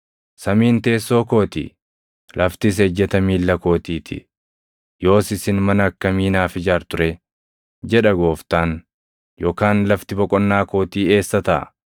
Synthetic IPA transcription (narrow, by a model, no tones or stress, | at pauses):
sɐmiːnt̪e̞ːsːo̞ːko̞ːt̪ḭː | lɐft̪ɪs̬ɛd͡ʒːɛt̪ɐmiːlːɐko̞ːt̪iːt̪ʰɪ̰ | jo̞ːsɪsɪnmɐnɐːkːɐmiːnaːfɪd͡ʒaːɾt̪ʊɾɛ | d͡ʒɛᶑɐɡo̞ːft̪aːn | jo̞ːkaːnlɐft̪ɪbɔkʼɔnːaːko̞ːt̪iːe̞ːsːɐt̪ɐʔɐ̰